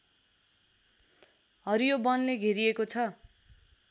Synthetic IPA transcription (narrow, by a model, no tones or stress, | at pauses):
ɦʌɾijobʌnleɡʱeɾiekot͡sʰʌ